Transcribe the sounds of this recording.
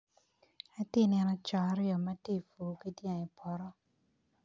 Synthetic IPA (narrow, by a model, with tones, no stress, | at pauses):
a˨tɪ˦nɛ˧nɔ˦t͡ʃɔ˨a˦ɾɪjɔ˨ma˦te˦˨fo˨ke˦tja˨ŋi˨pʰɔ˨ɾɔ˦